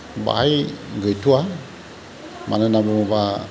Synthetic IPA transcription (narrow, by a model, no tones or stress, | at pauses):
ba̰jɡəjtua | mʔa̰nənabəməba